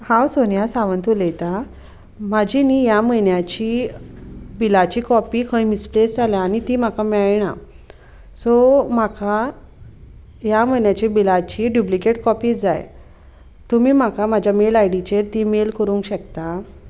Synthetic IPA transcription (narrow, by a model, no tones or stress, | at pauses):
hãwsonjasaʋənt̪ulejt̪a | mad͡ʑʱiniːjaməjnjat͡ɕiː | bilat͡ɕiːkɔpiːkʰə̃imisplesd͡zaljaːñit̪iːm̤akamɛɭɳa̰ | sɔm̤aka | jam̤əjnjat͡ɕiːbilat͡ɕiɖjuplikeʈkɔpiːd͡za̰j | t̪umiːm̤akamad͡ʑʱjamelajɽit͡ɕeɾt̪iːmelkəɾũːŋkɕəkt̪a